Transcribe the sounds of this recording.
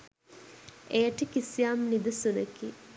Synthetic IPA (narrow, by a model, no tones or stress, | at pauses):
ejəʈəkisijaːmnid̪əsunəki